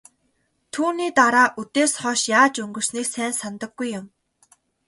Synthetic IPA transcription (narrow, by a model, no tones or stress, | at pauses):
t̪ʰuːniːt̪aɾaːʔut̪eːsχɔːʃjaːt͡ɕɵŋɡɵ̆r̥sniːksæːnsant̪ə̆ɡːujːʊm